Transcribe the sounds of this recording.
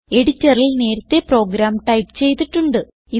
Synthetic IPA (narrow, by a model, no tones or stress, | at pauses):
e̞ɽitːɐrilne̞ːɾɐt̪ːe̞pro̞ːɡɾaːmʈɐjpt͡ɕe̞jt̪ːiʈːuɳɖɨ | i